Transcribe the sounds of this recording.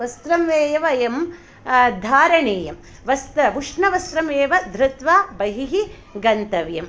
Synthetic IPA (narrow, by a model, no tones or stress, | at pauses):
ʋɐst̪ɾɐmeːjɐʋɐjɐm | d̪ʱaːɾɐɳeːjɐm | ʋɐst̪ɐʋuʂɳɐʋɐst̪ɾɐmeːʋɐd̪ɾɪt̪ʋaːbɐɦiɦi | ɡɐnt̪ɐʋjɐm